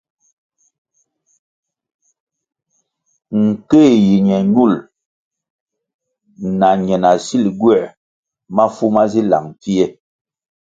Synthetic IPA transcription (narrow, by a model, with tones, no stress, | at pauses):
ŋ̩˨ke˦˨ji˨ɲɛ˨ɲ˦u˦˨l | na˨ɲɛ˨na˨si˦˨lɡwɛ˦˨ | ma˦fu˦ma˦zi˦la̰˨ŋ˨pi˦ɛ˦